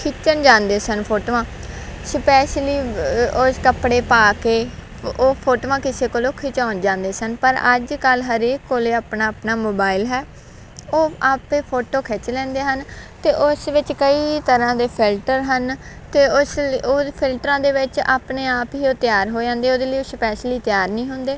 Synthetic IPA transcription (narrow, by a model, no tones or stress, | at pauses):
kʰɪt͡ʃənd͡ʒãːnd̪eːsənpʰoːʈoːʋãː | spɛːʃliːoːskəpɽeːpaːkeː | oːpʰoːʈoːʋãːkɪseːkoloːkʰɪt͡ʃaːnd͡ʒãːnd̪eːsənpəɾə̰d͡ʒkəlɦəɾeːkːoːleːaːpnaːəpnaːmoːbaːɪlɦɛː | oːaːpeːpʰoːʈoːkʰɛːt͡ʃlɛ̃ːnd̪eːɦənt̪eːʔʊsʋɪt͡ʃkəiːt̪əɾãːd̪eːpʰɪlʈəɾɦən | t̪eːʊsoːpʰɪlʈɾãːd̪eːʋɪt͡ʃa̰ːpneːaːpiːoːt̪ɪjaːɾɦoːd͡ʒãːnd̪eːoːd̪eːləioːspɛːʃliːt̪ɪjaːɾnĩːɦʊ̃nd̪eː